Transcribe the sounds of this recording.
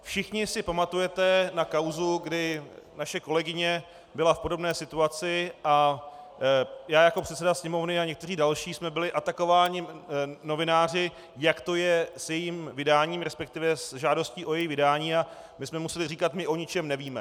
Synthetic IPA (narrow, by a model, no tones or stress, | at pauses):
fʃɪxɲɪsɪpamat̪ujɛt̪ɛnakawzuɡdɪnaʃɛko̞lɛɡɪɲɛ | bɪlafpo̞do̞bnɛːsɪt̪uat͡sɪʔa | jaːjakopr̝ɛt̪sɛdasɲɛmo̞vnɪaɲɛkt̪ɛr̝iːdalʃiːsmɛbɪlɪʔat̪ako̞vaːɲɪno̞vɪnaːr̝ɪ | jakt̪o̞jɛsjɛjimvɪdaːɲiːmɾɛspɛk̚t̪ɪvɛsʒaːdo̞sciːʔo̞jɛjivɪdaːɲiːa | mɪsmɛmusɛlɪriːkat̪mɪʔo̞ɲɪt͡ʃɛmnɛviːmɛ